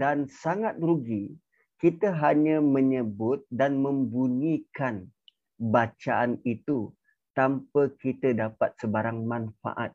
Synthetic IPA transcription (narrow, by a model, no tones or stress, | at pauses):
dansaŋat̪̚ruɡi | kit̪əɦaɲãmə̃ɲəbʊt̪̚danmə̃mbuɲikan | bat͡ʃaanit̪u | t̪ampəkit̪ədapat̪̚səbaɾaŋmãnfa̰ʔat̪̚